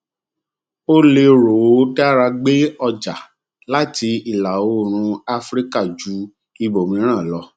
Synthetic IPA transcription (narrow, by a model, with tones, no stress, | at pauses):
o˦le˧ɾo˨wo˨˦tɛ˦a˦ɾa˧ɡ͡be˦ɔ˧d͡ʒa˨ | la˦ti˧i˨la˨o˦˨ɾ̃ũ˧a˦fɾi˦ka˦˨d͡ʒu˨˦ | i˧bo˨mĩ˧˦ɾ̃ã˦˨lɔ˧˦